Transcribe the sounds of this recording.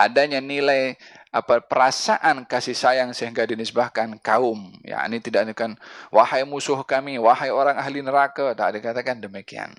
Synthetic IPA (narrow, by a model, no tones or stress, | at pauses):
ʔadaɲanilajapapəɾasaʔankasihsajaŋsəiŋɡadinəsbahkankaʊmja̰ʔnit̪idaʔdkanwahajmusʊhkamiwahajoɾaŋaɦlinəɾakat̪a̰ʔdikat̪akandəmikia̰n